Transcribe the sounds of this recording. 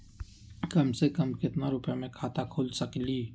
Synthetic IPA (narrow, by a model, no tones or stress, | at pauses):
kəmsekəmkɪt̪naɾʊpjamẽkʰaːt̪akʰoːlsəkliː